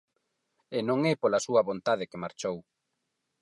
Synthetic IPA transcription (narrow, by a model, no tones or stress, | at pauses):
enõŋɛpolɐsuɐβont̪að̞ɪkemaɾt͡ʃow